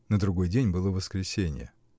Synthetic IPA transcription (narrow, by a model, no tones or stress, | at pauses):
nəd̪ɾʊɡo̞jdʲenʲbɨlˠəvəskɾʲɪsʲenʲɪ̰jə̰